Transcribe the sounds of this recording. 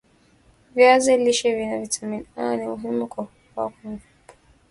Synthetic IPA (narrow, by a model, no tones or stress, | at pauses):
vjazɛliʃɛvinavitaminanimuɦimukɔ | wa̰kunvupḁ